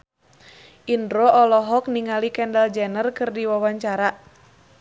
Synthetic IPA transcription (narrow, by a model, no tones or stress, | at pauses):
ʔindɾoʔɔlɔɦɔk̚niŋalikɛndald͡ʒɛnərkɨrdiwawaɲt͡ʃaɾa